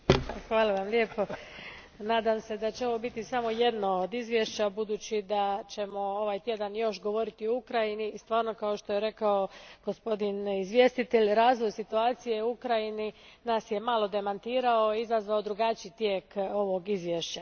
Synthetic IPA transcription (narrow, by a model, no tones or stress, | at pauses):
xʋaːlˠaʋamljeːpo̞ | naːd̪amse̞d̪at͡ɕeo̞ʋobit̪isamo̞je̞d̪nood̪izʋjeʃt͡ɕabud̪uːt͡ɕid̪at͡ɕe̞mo̞o̞ʋajt̪je̞d̪anjo̞ʃɡo̞ʋo̞ɾit̪ioukɾajiniːst̪ʋaːɾno̞kaoʃt̪o̞je̞ɾe̞kao̞ɡ̥o̞spo̞d̪inizʋje̞st̪it̪eʎʲɾaːzʋojsit̪uaːt̪sije̞uukɾajininaːsje̞malˠo̞d̪e̞mant̪iːɾao̞izazʋaod̪ɾuɡat͡ʃit̪jeːko̞ʋo̞ɡizʋjeʃt͡ɕa